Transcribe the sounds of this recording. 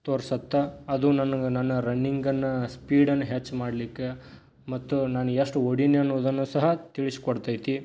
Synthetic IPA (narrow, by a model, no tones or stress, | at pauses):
t̪oːɾsɐt̪ːaɐd̪unɐnːɐnɐnːɐɾɐnːiŋɡɐnːɐspiːɽɐnːɐɦet͡ʃːmaːɽlikːe | mɐt̪ːunaːnueʂʈuoɽineɐnːuʋd̪ɐnːusɐɦɐt̪iɭisi̥kɔɽt̪aːjt̪i